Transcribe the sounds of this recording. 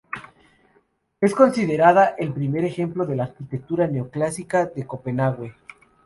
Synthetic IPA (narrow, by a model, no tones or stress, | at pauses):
e̞sko̞nsiðe̞ɾaðaʔelpɾime̞ɾe̞xe̞mplo̞ðe̞laːɾkit̪ek̚t̪uɾaneoklasikaðe̞ko̞pe̞naɣwe̞